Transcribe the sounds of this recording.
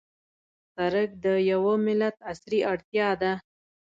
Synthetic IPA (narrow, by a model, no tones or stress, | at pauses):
saɾək̚d̪əjawəmɪlat̪̚asɾiʔaɽt̪jɑd̪a